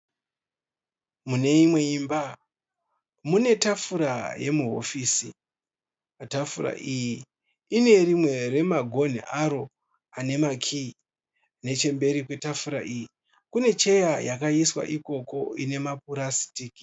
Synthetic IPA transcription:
mune̞imwe̞imba | mune̞tafuɾaje̞muɦo̞̰fiːsi | atafuɾa̰ʔiji | ine̞rimwe̞re̞maɡʱo̞n̤ḭʔaɾo̞ | ane̞makʰi | ne̞t͡ʃe̞mbe̞ɾikwe̞tafuɾa̰ʔiːji | kune̞t͡ʃe̞jajakaiswa̰ʔiko̞ko̞ine̞mapuɾasi̥tiːki̥

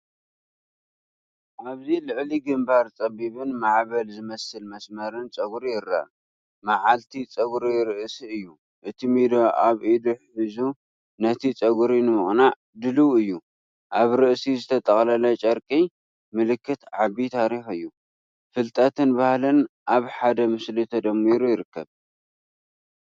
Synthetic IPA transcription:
ʔaβzilɨʕliɡɨmbaɾt͡sʼɐβiβɨnmaʕβɐlzɨmɐsɨlmɐsmɐɾɨnt͡sʼɐɡɾijɪɾːa̰ | maʕalt̪ʰit͡sʼɐɡɾiɾɨʔsiɨjːu | ʔɨt̪ʰimid̪oʔaβʔid̪uħħɨzu | nɐt̪ʰit͡sʼɐɡuɾinɨmɨχʼna | d̪ɨluɨjːu | ʔaβɾɨʔsizɨt̪ʰɐt̪ʼɐχʼlɐlɐt͡ʃʼɐɾkʼi | mɨlɨkːɨt̪ʕabit̪ʰaɾixɨjːu | fɨlt̪ʼat̪ʰɨnbahlɨnʔaβħad̪ɐmɨslit̪ʰɐd̪ɐmːiɾujɪɾɨkːɐβ

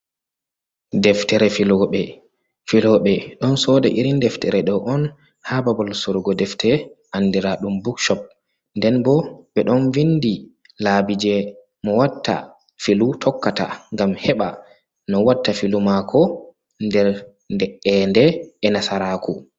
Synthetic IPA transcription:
dɛftɛɾɛfilɔɓɛ | filɔɓɛɗɔnsɔdaʔiɾindɛftɛɾɛɗɔʔɔn | hababɔlsuɾɡɔdɛftʰɛʔanːdiɾaɗumbukʃɔp̚ | ndɛnbɔɓɛɗɔnvindi | labid͡ʒɛ | mɔwatːa̰ | filutʰɔkːata̰ŋɡamhɛɓa | nɔwatːafilumakʰɔ | ndɛɾ | ndɛɛndɛɛnasaɾakʰu

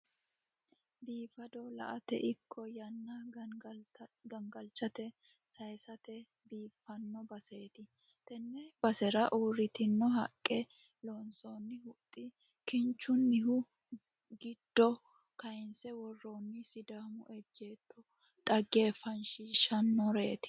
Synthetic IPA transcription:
biːfɐd̪ɔlɐ̰ʔɐt̪ɛ̰ʔɪkʰːɔjɐnːɐ | ɡɐŋɡɐlt͡ʃːɐt̪ɛ | sɐjsɐt̪ɛ | biːfɐnːɔbɐse̞ːt̪ɪ | t̪ɛnːɛbɐsɛɾɐʔuːɾɪt̪ɪnːɔɦɐkʼːɛ | loːnsoːnːɪhʊt̪ʼːɪ | kɪnt͡ʃːʊnːɪɦʊ | ɡɪd̪̥ːɔ | kɐjɪnsɛwɔrːoːnːɪsɪd̪aːmʊ̰ʔɛd͡ʒːe̞ːt̪ːɔ | t̪ʼɐɡe̞ːfɐnʃiːʃɐnːɔɾe̞ːt̪ɪ̥

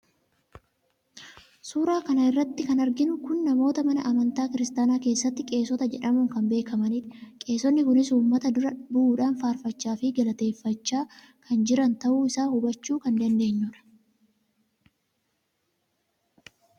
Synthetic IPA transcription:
suːɾaːkɐnɐɪrːɐt̪ːɪkɐnɐɾɡɪnʊkʊnːɐmo̞ːt̪ɐmɐnɐʔɐmɐnt̪aːkɪɾɪst̪aːnaːke̞ːsːɐt̪ːɪkʼe̞ːsɔt̪ɐd͡ʒɛᶑɐmʊŋkɐmbe̞ːkʰɐmɐnit̪kʼe̞ːsɔnːɪkʊnɪsuːmːɐt̪ɐd̪ʊɾɐbʊʔuːᶑaːnfaːɾfɐt͡ʃːaːfɪɡɐlɐt̪e̞ːfːɐt͡ʃːaː | kʰɐnd͡ʒɪɾɐnt̪ɐʔuːɪsaːhʊbɐt͡ʃːuːkɐnd̪ɐnd̪e̞ːɲːʊᶑɐ̥

